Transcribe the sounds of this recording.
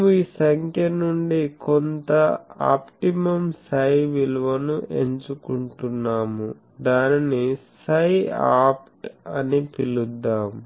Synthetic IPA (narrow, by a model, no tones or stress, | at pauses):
muiːsɐŋkʰjɐnuɳɖikont̪ɐa̰ːpʈimɐmsɐjʋiluʋɐnuʔeɲt͡ʃukuɳʈunːaːmu | d̪aːninisɐjaːpʈɐnipilud̪ːaːm